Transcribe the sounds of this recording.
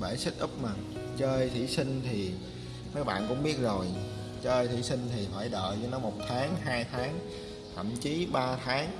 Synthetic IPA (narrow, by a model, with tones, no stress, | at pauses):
ɓəː˧˩jsɨ˦˥k̚ʔɨ˦˥p̚maː˨˩ŋ | t͡ɕəː˧jt̪ʰḭ˧˩sï˧ŋ̟t̪ʰi˨˩ | məː˨˦jɓa̰ː˧˨nkʊ̰˧˥ŋ͡mɓi˦˥ət̚zo˨˩j | t͡ɕəː˧jt̪ʰḭ˧˩sï˧ŋ̟t̪ʰi˨˩faː˧˩jɗə̰ː˧˨t͡ɕnɔ˨˦mo˨˩t̚t̪ʰaː˨˦ŋɦaː˧jt̪ʰaː˨˦ŋ | t̪ʰə̰˧˨mt͡ɕi˨˦ɓaː˧t̪ʰaː˨˦ŋ